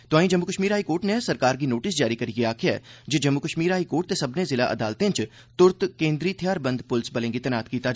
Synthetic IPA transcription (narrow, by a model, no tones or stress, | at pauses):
t̪oaːĩd͡ʒɐmːukəʃmiːɾɦaːikoːɾʈnesɐɾkaːɾk̬inoːʈɪsd͡ʒaːɾikɐɾiɡiaːkʰijad͡ʒod͡ʒɐmːukəʃmiːɾɦaːikoːʈ̚t̪esɐbnezɪla̰ʔɐ̰d̪aːlt̪ẽt͡ʃ | t̪ʊɾt̪kẽːnd̪ɾit̪ʰijaːɾbɐ̃nd̪pʊlsbɐlẽːŋɡit̪ɐnaːt̪kiːt̪a